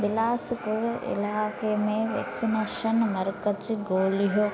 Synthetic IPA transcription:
d̪ilaːspuɾʔḭlaːkemeːʋḛksineʃɐnmɐɾkɐt͡ʃiɡoːliɦo

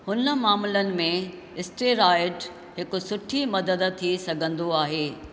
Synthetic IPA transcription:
hʊnə̆maːmʊlənɪ̆mẽ | ɪsʈeɾaːɪʈ | ɦɪkʊ̆sʊʈʰimɐd̪əd̪t̪ʰisɐɡʱə̃nd̪oaːɦeː

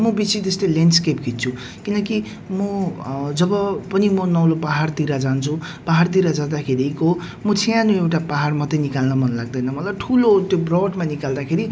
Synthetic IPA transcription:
mʌbisit̪est̪ʌlent͡skepɡʱit̪̚t͡sʰu | kinʌki | mʌd͡zʌbʌpʌnimʌnʌwlopaɦart̪iɾad͡zant͡sʰu | paɦart̪̬iɾad͡zad̪akʰeɾiko | mʌt͡sʰijanoewʈapaɦarmʌt̪ʌnikalnʌmʌnlaɡ̚d̪ʌjnʌmʌlaʈʰulot̪jobrʌɖmanikald̪akʰeɾi

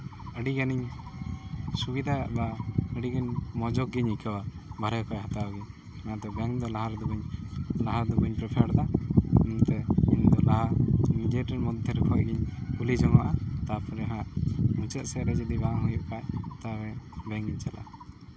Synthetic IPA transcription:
əɖiɡaniɲ | subid̪aaʔbaəɖiɡaɲmɔd͡ʒɔk̚ɡiɲikʰababʱaɾɛkʰaʔɦat̪aɡi | nad̪ɔɡaŋd̪ɔlaɦaɾd̪uɡɔɲlaɦaɾd̪uɡəɲpɾɛpʰaɾd̪annt̪ɛiɲd̪ɔlaɦanɲd͡ʒɛʈɛɾmɔd̪ʱɛɾkʰɔjɡiɲulid͡ʒɔmaʔat̪apʰɔɾɛɦãʔmut͡ʃɛt̪̚sɛɾɛd͡ʒɔd̪ibaɦujɔʔkʰajt̪awɛbɛŋɡiɲt͡ʃalʔa̰

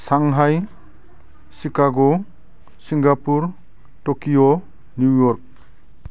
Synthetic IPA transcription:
saŋɦaj | sikaɡo | siŋɡapuɾ | tokijo | njujɔɾk̚

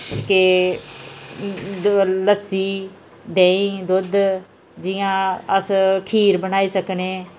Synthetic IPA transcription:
ke | ləsiː | d̪eːĩːd̪ʊd̪ | d͡ʒɪjãːəskʰiːɾbənaːiːsəkneː

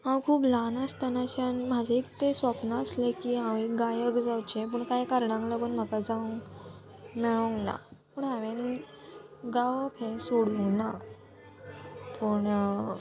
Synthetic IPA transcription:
ɦãwkʰuːplanəst̪anaɕanm̤ad͡ʑeek̚t̪esʋapnaəslekiːɦãwekɡajəkd͡zawt͡ɕep̬əɳkajkaɾɳãŋklaɡuːnm̤əkad͡zaʋə̃ŋɡ | meɭõŋɡna̰pəːɳãʋen | ɡawpʰẽsuɽuŋna | pəːɳ

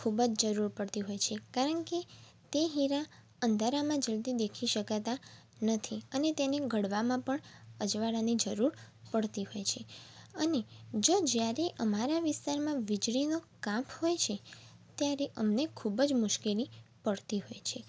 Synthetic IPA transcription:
kʰubəd͡ʒd͡ʒəɾuɾpəɽt̪iɦojt͡ʃʰekaɾəɳke | t̪eɦiɾa | ənd̪ʱaɾamãd͡ʒəld̪id̪ekʰiʃəkat̪a | nət̪ʰiənet̪eneɡəɽʋamãpəɳəd͡ʒʋaɽanid͡ʒəɾuɾpəɽt̪iɦojt͡ʃʰeəned͡ʒod͡ʒjaɾeʔəmaɾaʋɪst̪aɾmãʋɪd͡ʒɽinokãpʰhojt͡ʃʰet̪jaɾeʔəmnekʰubəd͡ʒmʊʃkelipəɽt̪iɦojt͡ʃʰe

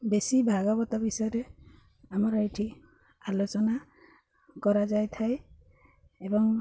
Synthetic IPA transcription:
besibʱaɡɔbɔt̪abisɔjɔɾɛ | amɔɾajʈʰi | alot͡ʃɔna | kɔɹazajt̪ʰaj | ebɔŋ

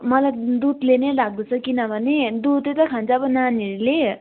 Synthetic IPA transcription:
mʌlajd̪ud̪lenelaɡ̚d̪ut͡sʰʌkinʌbʱʌned̪ut̪let̪ʌkʰãnt͡sʰʌːbʌnaniʌɾule

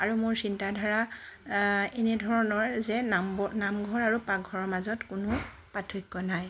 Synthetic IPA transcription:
aɹumʊɹsintadʱaɹa | ɛnɛdʱɔɹɔnɔɹzɛnamɡʱɔɹaɹupaɡʱɔɹɔɹmazɔtkʊnʊ | patʰujkːɔnaj

